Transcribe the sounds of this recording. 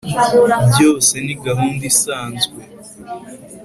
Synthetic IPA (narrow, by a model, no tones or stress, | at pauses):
bjo̞ːse̞niɡaɦuːndisaːnzɡwe